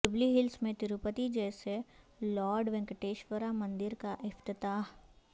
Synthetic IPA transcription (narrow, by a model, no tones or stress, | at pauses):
ɖɪbliɦɪlsmẽt̪ɪɾupət̪id͡ʒɛːse | lɔːɾɖʋɛ̃ŋkəʈeːʃʋəɾamɐ̃nd̪ɪɾkaʔɪft̪ɪt̪aːɦ